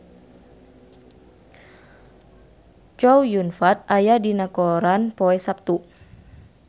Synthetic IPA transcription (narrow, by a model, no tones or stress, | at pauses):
t͡ʃɔwjunfat̪̚ajadinakɔɾanpoɛsap̚t̪u